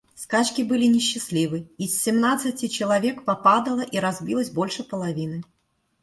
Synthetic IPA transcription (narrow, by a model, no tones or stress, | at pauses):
skat͡ɕkʲibɨlʲinʲɪɕːɪsʲlʲivɨisːʲɪmnat̪sɨt͡sʲɪt͡ɕɪlˠavʲɛkpapad̪ɐlˠɐʔiɾazʲbʲilˠəsʲbolʲʂɨpəlˠavʲinɨ